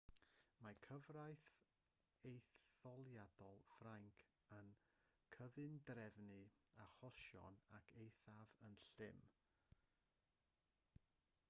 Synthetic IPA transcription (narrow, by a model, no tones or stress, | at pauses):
makʰəvrajθ | ejθɔlˠjad̥ɔlˠfraŋkʰ | ən | kʰəvɨndrɛvnɨaχɔʃjɔ̰nakʰejθavənɬɪm